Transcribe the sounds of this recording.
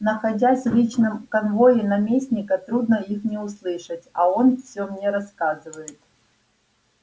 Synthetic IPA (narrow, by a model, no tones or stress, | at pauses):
nəxɐdʲasʲlʲit͡ɕnɨmkɐnvo̞jɪnɐmʲesʲnʲɪkət̪ɾud̪nəixnʲɪʊslˠɨʂətʲɐo̞nfsʲomnʲe̞ɾɐskazɨvəjɪt̪